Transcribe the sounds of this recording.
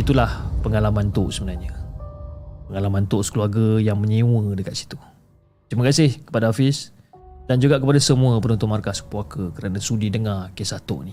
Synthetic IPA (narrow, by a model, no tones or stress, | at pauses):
it̪ulahpəŋalamãnt̪oʔsəbənarɲə | pəŋalamãnt̪oʔskluarɡəjaŋməɲewədəkat̪si̥t̪u | t̪ɾiməkasɪhkə̥padaafɪs | dand͡ʒuɡaʔkəpadasəmuəpənunt̪ʊʔmarkasə̥puakəkəɾanasudidəŋarkesaht̪o̰ʔni